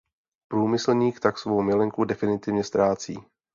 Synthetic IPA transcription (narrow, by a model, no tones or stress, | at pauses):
pɾuːmɪsl̩ɲiːkt̪aksvo̞wmɪlɛŋkudɛfɪnɪt̪ɪvɲɛst̪ɾaːt͡sḭː